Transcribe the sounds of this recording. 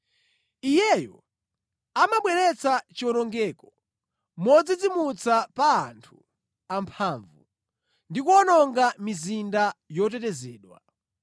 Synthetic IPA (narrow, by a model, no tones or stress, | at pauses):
ijɛjɔ̰ | amaɓwɛɾɛt͡sat͡ʃiɔnɔŋɡɛkɔ̥ | mɔd͡zid͡zimut͡sapaːntʰu̥ | ampʰaːɱvṵ | ndikuɔnɔŋɡamizindajɔt̬ɛtɛzɛːɗwa̰